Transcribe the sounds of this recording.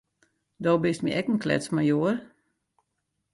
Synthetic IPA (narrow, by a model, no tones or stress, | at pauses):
doːbɪstmḭʔɛkn̩kʰlɛ̰smajoər